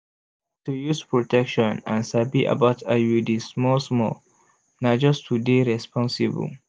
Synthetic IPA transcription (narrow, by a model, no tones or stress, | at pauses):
tujuspɹɔtʰɛkʃɔ̃nãnsabiʔə̰batʰajudismɔlsmɔl | nad͡ʒʌstʰudeɹɛspʰɔ̃nsibə̰l